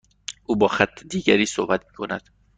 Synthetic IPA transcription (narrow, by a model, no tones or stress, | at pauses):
ʔuːbɒːxæt̪ʰːed̪iːɟæɾiːsohbæt̪miːkʰo̞næd̪̥